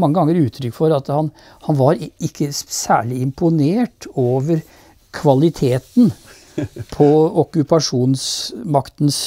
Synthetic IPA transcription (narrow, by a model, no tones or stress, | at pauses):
mɑŋːəɡɑŋːəɾʉːt̪ʰɾʏkːfɔɾɑt̪hɑn | hɑnʋɑɾɪkʰːəsæ̰ːɭɪɪmpʊneːʈoːʋəɾ | kʰʋɑlɪt̪ʰeːt̪n̩ | pʰɔɔkʉpɑʂuːnsmɑkt̪n̩s